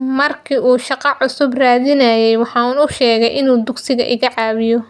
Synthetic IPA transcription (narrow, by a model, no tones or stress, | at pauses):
mɐrkʰiːʔuːʃɑqɑʕʊsʊbraːðɪnɐjɛjwɑħɑːʊnʊʃɛːɣɛjʔɪnuːd̪ʊɡsɪɣɐ̰ʔɪ̰ɣɐʕɑːβɪjɔ